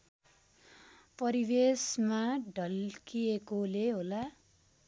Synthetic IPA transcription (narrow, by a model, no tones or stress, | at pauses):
pʌɾibesmaɖʱʌlkijekoleɦola